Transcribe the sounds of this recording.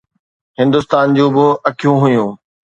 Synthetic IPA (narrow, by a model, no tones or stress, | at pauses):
hɪ̃nd̪ʊst̪aːnd͡ʑũːbɪɐkʰijũɦʊjũː